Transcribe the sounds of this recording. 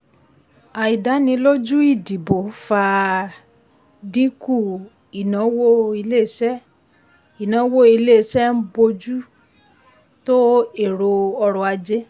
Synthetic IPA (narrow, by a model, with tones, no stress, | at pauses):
a˨i˨da˨˦nĩ˧lo˦d͡ʒu˦i˦˨di˨bo˨˦fa˧ | dĩ˦ku˦˨ | i˨nã˨˦wo˦i˧le˦˨ʃɛ˦ | i˨nã˨˦wo˦i˧le˦˨ʃɛ˦m̩˦bo˧d͡ʒu˦ | to˦e˦˨ɾo˧ɔ˧ɾɔ˧a˧d͡ʒe˦